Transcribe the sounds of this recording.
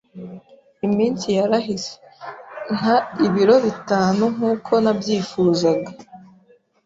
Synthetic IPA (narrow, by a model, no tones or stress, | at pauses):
imiːnsijaɾaɦise̥ŋ̥aiβiɾo̞βitaːnuŋ̥uːkʰo̞nabjiːfuːzaɡa